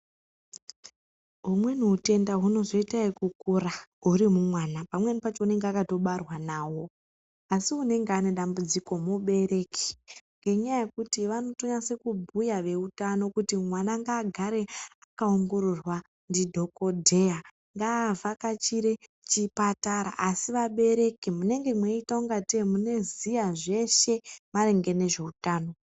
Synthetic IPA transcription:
ɦumwe̞nuute̞ndaɦuno̞ʐo̞itaikukuraɦurimumwanapamwenipat͡ʃo̞une̞ŋɡeakato̞ɓarwanaːwo̞ | asiune̞ŋɡeane̞ɗambud͡ziko̞muɓe̞ɾe̞ki̥ŋɡeɲajaje̞kutiʋano̞toɲase̞kubʱujaʋe̞utano̞kutimwanaŋɡaːɡʱaɾe̞akaoŋɡo̞ɾorwa | ndidʱo̞ko̞dʱe̞ja | ŋɡaːvʱakat͡ʃiɾe | t͡ʃipataɾa̰ʔasiʋaɓe̞ɾe̞kimune̞ŋɡe̞mweitauŋɡatemune̞zijaʐe̞ʃe̞maɾeŋɡe̞ne̞ʐe̞utaːno̞

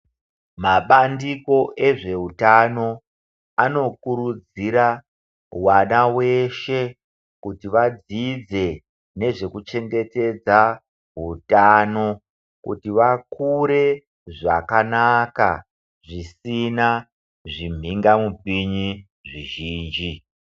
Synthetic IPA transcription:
maɓandiko̞ʔe̞ʐe̞utano̞ | ano̞kuɾud͡ziɾa | wanawe̞ʃe | kutiʋad͡zid͡ze̞ | ne̞ʐe̞kut͡ʃe̞ŋɡe̞te̞d͡za | ɦutaːno̞ | kṵtiʋakuɾe̞ | ʐakanaka̰ | ʐisina | ʐim̤ʱiŋɡamupiɲi | ʐiʒiːnd͡ʒi

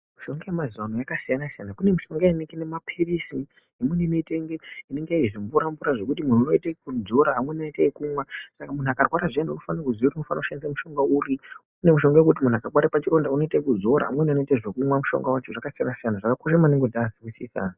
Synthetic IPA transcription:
muʃo̞ŋɡajemaziwanojakasijanasijanakune̞miʃo̞ŋɡaineŋɡenemapʰiirisi | emunemiteŋɡeine̞ŋɡeiʐimbuɾambuɾaʐe̞kut̬imununoitekud͡zo̞ɾaɦamwenaitekumwasakamun̤uakarwaɾaʐiendeunufanakuziuɾimufanauʃandisamuʃo̞ŋɡauːri | une̞muʃo̞ŋɡajekut̬imun̤uakarwaɾapat͡ʃiɾo̞ndauno̞itekud͡zo̞ɾa̰ɦa̰mwe̞nano̞iteʐekumwamuʃo̰ŋɡawat͡ʃoʐakasijanasijanaʐakakoʃamaneŋɡodasiwisisa̰ːna

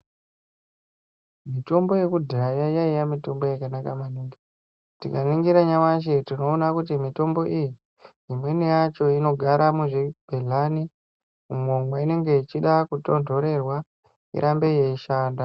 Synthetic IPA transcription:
mito̞mbo̞je̞kudʱiajajaijamito̞mbo̞jakanakamaniːŋɡi | tikaniŋɡiɾaɲamaʃetino̞ːnakutimito̞mbo̞ʔiji | imwe̞nijat͡ʃo̞ino̞ɡʱaɾʔamuʐib̥ʱeɮani | umomwaine̞ŋɡe̞it͡ʃiɗakuto̞ndʱo̞ɾe̞rwa | ḭɾʔambe̞je̞iʃaːnda

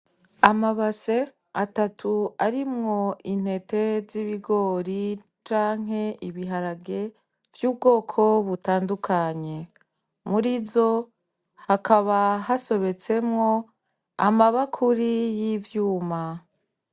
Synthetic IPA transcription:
amaβase̞ | atatʰuaɾimŋo̞in̥he̞te̞ziβiɡo̞ɾi | t͡ʃaːŋ̥ɦe̞ʔiβiɦaɾaɡe̞ | vjuːbɡo̞ːkʰo̞βutaːndukʰaɲe̞ | muɾizo̞ | hakʰaβaɦaso̞βe̞t͡se̞mŋo̞ | amaβakʰuɾijivjuːma

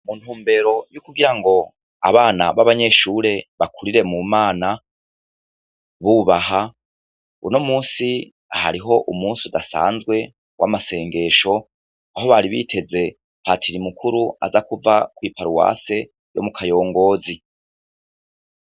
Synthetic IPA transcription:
mun̥huːmbe̞ɾo̞jukuɡiɾaŋɡo̞ | a̰βaːna̰βaβaɲe̞ːʃuːɾe̞βakuɾiɾe̞mumaːna | βuβaha | ṵnomuːnsi | a̰ha̰ɾiɦo̞ʔumuːnsiudasa̰ːnzɡwe̞ | wʔa̰mase̞ːŋɡe̞ʃo̞ | aɦo̞βaɾiβḭːtʰe̞ze̞ | patʰiɾimukʰuɾua̰zakuvakwiːpaɾuwa̰ːse̞ | jo̞̰mukʰajo̞ːŋɡo̞ːzi

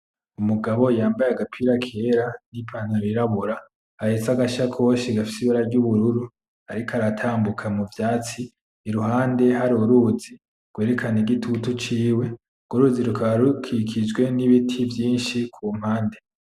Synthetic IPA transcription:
umuɡaβo̞jaːmbajaɡapʰiɾakʰe̞ɾanipʰan̥aɾiɾaβuɾa | ahet͡saɡaʃakʰo̞ːʃiɡafi̥siβaɾaɾɟuβuɾuɾu | aɾikaɾatʰaːmbukʰamuvjaːt͡siː | ɾuɦaːnde̞ɦaɾoɾuːzi | ɡ̥we̞ːɾekʰaneɡitʰutut͡ʃiːwe̞ | ɡ̥uɾuziɾukʰaɾukʰikʰid͡ʒɡwe̞niβitʰivjiːnʃikʰuːm̥haːnde̞

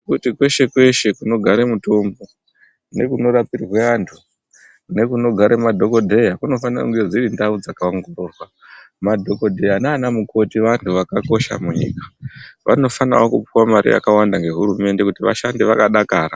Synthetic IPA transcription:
kutikwe̞ʃe̞kwe̞ʃe̞kuno̞ɡʱaɾemuto̞mbo̞ | ne̞kuno̞ɾapirwe̞ʋantʰu | ne̞kuno̞ɡʱaɾʔemadʱo̞ko̞dʱejakuno̞fanra̰kuŋɡe̞d͡ziɾindaud͡zakawaŋɡoɾorwa | madʱo̞ko̞dʱeanaːnamuko̞tiʋantʰuʋakako̞ʃa̰muɲḭːkḁʋa̰no̞fana̰wokupiwamaɾḭja̰kawandaŋɡe̞ɦuɾume̞nde̞kutiʋa̰ʃandiʋakaɗakaːɾa

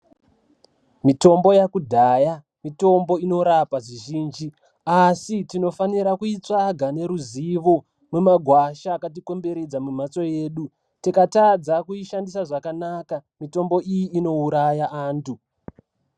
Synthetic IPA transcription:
mito̞mbo̞jakudʱaːja | mito̞mbo̞ino̞ɾapaʐiʒiːnd͡ʒi | asitino̞faniɾakuit͡saɡʱane̞ɾuziʋo̞ | mwemaɡʱwaʃaːkat̬iko̞mbe̞ɾed͡zamum̤at͡so̞je̞ːɗu | tikatad͡zakuiʃandisaʐakanakamito̞mbo̞ijiʔːno̞uɾajaʔaːntu

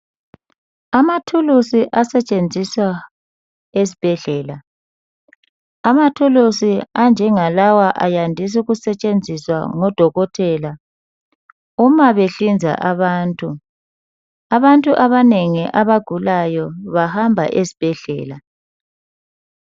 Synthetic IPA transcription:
amatʰulusiʔasɛt͡ʃʼend͡zʱiswa | es̬ib̥ʱɛɮɛːla | amatʰulusiand͡ʒʱɛŋalawaʔajandʱis̬uɣusɛt͡ʃʼend͡zʱiswa̰ŋɔd̥ʱɔɣɔtʰɛla | umaβeɬind͡zʱa̰ʔaβaːntʼu | aβantʼuʔaβaneŋiʔaβaɡ̥ʱulajɔβahambʱa̰ʔesi̥b̥ʱɛɮɛ̰ːla

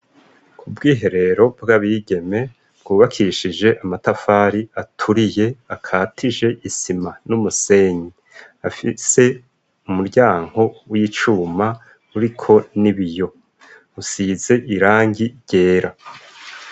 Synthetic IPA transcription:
kʰubɡiːɦe̞ɾe̞ɾo̞bɡaβiːɡe̞me̞ | bɡ̥uːβakʰiʃid͡ʒe̞ʔamatafaːɾiatʰuɾije̞akʰaːtʰiʒe̞ʔisimanumuse̞ːɲi | afise̞ | umuɾɟaːŋ̥ho̞wit͡ʃuːma | uɾikʰo̞niβijo̞ | usiːze̞ʔiɾaːŋɡiɾɟe̞ːɾa

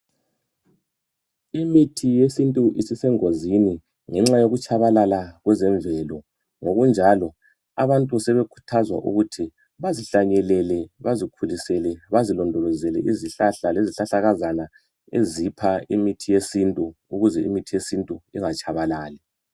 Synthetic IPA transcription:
imitʰijesintʼuʔisisɛŋozini | ŋɛŋ͡ǁajoɣut͡ʃʼaβalalaɣwɛzɛɱbvɛlɔ | ŋoɣund͡ʒʱalɔ | a̰βantʼusɛβekʰu̥tʰazwa̰ʔṵɣutʰi | βaziɬaɲɛlɛlɛβazikʰulisɛlɛβazilɔndʱɔlɔzɛlɛʔiziɬaɬaleziɬaɬaɣazana | ḛzipʰaimitʰijesintʼuuɣuzɛḭmitʰijesintʼuḭŋat͡ʃʰʼaβalaːlɛ

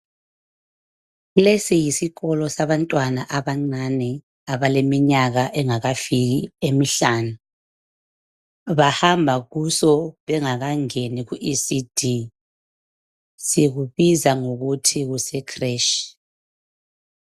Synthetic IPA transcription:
ɣulesijisiɣɔlɔsaβantʼwanaʔaβaŋ͡ǀanɛ | aβalemiɲaɣaʔɛŋaɣafiɣiemiɬaːnu | βahambʱaɣusɔβɛŋaɣaŋeniɣuʔisid̥ʱi | siɣuβizaŋoɣutʰiɣusɛkʰreʃi̥

